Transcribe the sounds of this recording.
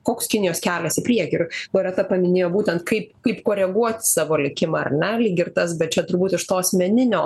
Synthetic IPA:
koːkskʲɪnʲɪjoːskʲæːlʲɛsɪpʲɾʲiɛkʲɪɪrboɾʲɛt̪ɐpɐmʲɪnʲeːjoːbuːt̪ʲɛnt̪kɐɪpkɐɪpkoːɾʲɛɡuɔt̪ʲsɑːʋoːlʲɪkʲɪmɐɐ̰rnʲɛlʲiːɡʲɪrt̪ɐsbʲɛt̪̚t͡ʃʲɛt̪ʊrbuːt̪ɪʃt̪oːɐsʲmʲɛnʲɪnʲoː

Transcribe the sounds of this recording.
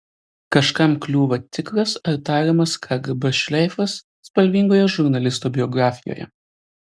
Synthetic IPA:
kɐʃkɐmklʲuːʋɐt̪ʲɪkɾɐsɐɾt̪ɑːɾʲimɐskʰɑːɡɐbɐʃʲlʲɛɪfɐsːpɐlʲʋʲiŋɡoːjɛʒʊɾnɐlʲɪst̪uːbʲɪɔɡɾɑːfʲɪjo̰ːjɛ̰

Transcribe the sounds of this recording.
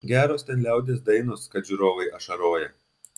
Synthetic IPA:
ɡʲæːɾoːst̪ʲɛnlʲæˑʊd̪ʲeːs̬d̪ɐɪnʊskɐt̪ʒʲʊɾoːʋɐɪʔɐʃɐɾoːjɛ

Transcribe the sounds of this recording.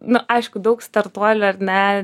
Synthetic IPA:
nʊʔɐɪʃkʊd̪ɐʊkst̪ɐɾt̪uɔlʲʊɐɾnʲɛ

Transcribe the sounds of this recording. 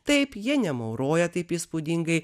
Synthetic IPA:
t̪ɐɪpjɪnʲɛmɐʊɾoːjɛt̪ɐɪpiːspʊd̪ʲɪŋɡɐɪ

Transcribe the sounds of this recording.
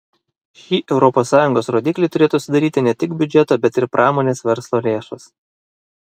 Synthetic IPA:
ʃʲiːʔɛʊɾɔpoːsːɑːjʊŋɡoːsɾoːd̪ʲiːklʲɪʊɾʲeːt̪uːsʲɪd̪ɐɾʲiːt̪ʲɪnʲɛt̪ʲɪkbʲʊd͡ʒʲɛt̪oːbʲɛt̪ɪɾpɾʔɑːmoːnʲeːsʋʲɛɾslˠoːlʲeːʃɐs

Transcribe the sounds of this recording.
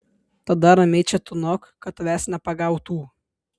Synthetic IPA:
t̪ɐd̪ɐɾɐmʲɛɪt͡ʃʲɛt̪ʊnɔkkɐt̪ʋʲæːsʲnʲɛpɐɡɑʊt̪uː

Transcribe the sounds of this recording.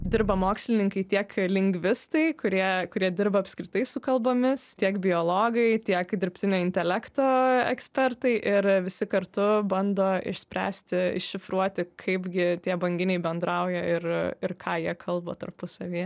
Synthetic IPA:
d̪ʲɪɾbɐmoːksʲlʲɪnʲɪŋkɐɪt̪ʲiɛklʲɪŋʲɡʲʋʲɪst̪ɐɪkʊɾʲiɛkʊɾʲiɛd̪ʲɪɾbɐɐpʲskɾʲɪt̪ɐɪsʊkɐlˠboːmʲɪst̪ʲiɛkbʲɪjoːlˠoːɡɐɪt̪ʲiɛkd̪ʲɪɾʲpʲt̪ʲɪnʲoːɪnʲt̪ʲɛlʲækt̪oːɛ̰ksʲpʲɛrt̪ɐɪʔɪɾʋʲɪsʲɪkɐrt̪ʊbɐnd̪oːɪ̰ʃsʲpʲɾʲæ̰ːsʲt̪ʲɪɪ̰ʃʃʲɪfɾuɔt̪ʲɪkʰɐɪpɡʲɪt̪ʲiɛbɐŋʲɡʲɪnʲɛɪbʲɛnd̪ɾɐʊjɛɪrɪrkʰɑːjiɛkʰɐlˠboːt̪ɐɾpʊsɐʋʲiː

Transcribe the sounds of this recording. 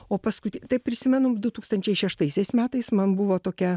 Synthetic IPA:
oːpɐskʊt̪ʲt̪ɐɪp̚pʲɾʲɪsʲɪmʲɛnʊd̪ʊt̪uːkst̪ɐnʲt͡ʃʲɛɪʃʲɛʃt̪ɐɪsʲɛɪsmʲæːt̪ɐɪsmɐnbʊʋoːt̪oːkʲɛ

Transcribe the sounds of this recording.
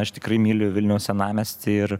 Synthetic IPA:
ɐʃt̪ʲɪ̥kɾɐɪmʲiːlʲojʋʲɪlʲnʲɛʊsʲɛnɑːmʲɛsʲt̪ʲɪɪr

